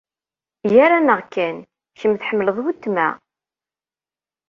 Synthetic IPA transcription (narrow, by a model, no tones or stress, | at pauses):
jæɾanəʁkːæn | çəmθħəmːləðˤwət̪ːmæ̰